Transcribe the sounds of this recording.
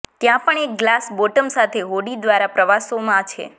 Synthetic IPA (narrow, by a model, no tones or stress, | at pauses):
t̪jãpəɳek̚ɡlasboʈəmsat̪ʰeɦoɽid̪ʋaɾapɾəʋasomãt͡ʃʰḛ